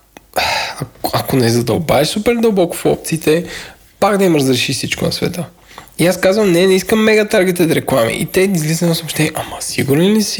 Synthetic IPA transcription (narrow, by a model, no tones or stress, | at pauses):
aakonɛzɐd̪ɐ̰lˠba̰visupɛɾd̪əlˠbɔko̥fɔ̰pt̪siːt̪ɛ | paɡd̪ɐimɾəzɾɛʃifsit͡ʃko̰nɐ̰svɛ̰t̪ə | iaskazvəmnɛnɛiskəmːɛɡɐt̪aɾɡɛt̪ɛt̪ɾɛklˠamḭʔḭt̪ɛizlizənosopʃt̪ɛniɛʔamɐsiɡuɾnilisi̥